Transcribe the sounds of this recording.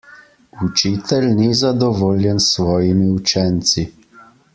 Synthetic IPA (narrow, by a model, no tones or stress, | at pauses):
ut͡ʃiːt̪ʰɛlnizad̪ɔʋoːljɛnsʋɔːjimiut͡ʃɛnt̪si